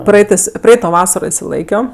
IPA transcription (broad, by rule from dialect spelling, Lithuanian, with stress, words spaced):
ˈprɐɪtɜs ˈprɐɪtoː ˈʋɑːsɐroː ɪʃʲsʲɪˈlˠɐɪkʲoː